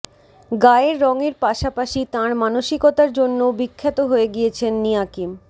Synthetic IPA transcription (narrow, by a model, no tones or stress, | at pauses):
ɡaeɾːɔŋeɾpaʃapaʃit̪ãɾmanoʃikot̪aɾd͡ʑonːobikʰːat̪oɦoeɡijet͡ɕʰenːijakim